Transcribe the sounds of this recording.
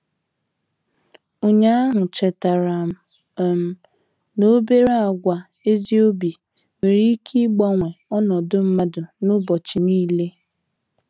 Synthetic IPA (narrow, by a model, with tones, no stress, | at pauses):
o˨ɲa˦a˦ɦʊ˨t͡ʃɛ˨ta˨ɾa˨ | m̩˦ | no˦be˦ɾa˦a˨ɡʷa˨ | e˦zi˦o˦bi˨ | me˨ɾi˦kʰi˦ɡ͡bɔ˦ŋʷe˨ɔ˦nɔ˨dʊ˦m̩˦ma˦dʊ˨nʊ˦bɔ˨t͡ʃi˨niː˦˨le˦